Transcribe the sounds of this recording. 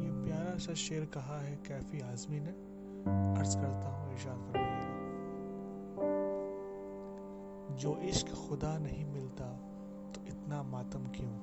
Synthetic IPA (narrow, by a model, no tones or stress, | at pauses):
jepjaːɾaʃɐʃeːɾkɐɦaɦɛkɛːfiaːzminẽ | ɐɾzkɐɾt̪aɦũɪʃaːɾkɐɾaaːlaː | d͡ʒoːʔɪʃkxʊd̪anɐɦĩmɪlt̪a | t̪oɪt̪namaːt̪əmkijõː